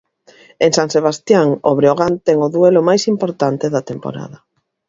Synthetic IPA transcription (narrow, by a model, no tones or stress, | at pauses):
eŋsaŋseβ̞ast̪jaŋo̰βɾeoɣant̪ɛŋʊðuelʊmajsimpoɾt̪ant̪eðɐt̪empo̰ɾa̰ðɐ